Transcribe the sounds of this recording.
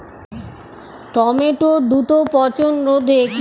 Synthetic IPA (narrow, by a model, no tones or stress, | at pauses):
ʈɔmeʈod̪ut̪opɔt͡ɕonɾod̪ʱek